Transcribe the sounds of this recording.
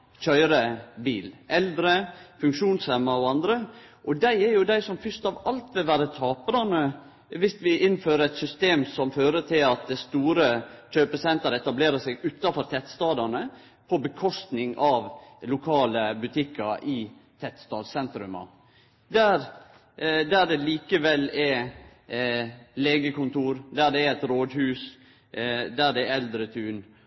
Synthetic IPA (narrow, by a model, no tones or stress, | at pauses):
çœʏɾəbiːlʔɛld̪ɾəfʉŋkʂuːnshɛmːɑɔɑnd̪ɾəʔɔd̪æɪɛɾjʊd̪æɪsɔmfʏst̪ɑʋɑlt̪ʋɪlʋæːɾət̪ʰɑːpəɾɑnə | ʋɪst̪ʋɪʔɪnːføːɾəɾɛt̪sʏst̪eːmsɔmføːɾət̪ʰɪlɑt̪̚d̪æst̪uːɾəçøːpəsɛnt̪əɾɛt̪ɑbleːɾəsɛɡʉːt̪ːɑfɔɾt̪ʰɛt̪st̪ɑːd̪ɑnə | pʰɔbəkʰɔst̪nɪŋɑʋlʊkʰɑːləbʉt̪ʰɪkːɑɾʔɪt̪ʰɛt̪st̪ɑːd̪sɛnt̪ɾʉmɑ̰ | d̪æɾ | d̪æɖ̪ɛliːkəʋɛlːɛ | leːɡəkʊnt̪uːɾd̪æɖɛːɛt̪ɾoːd̪hʉːs | d̪æɖɛɛld̪ɾət̪ʰʉːn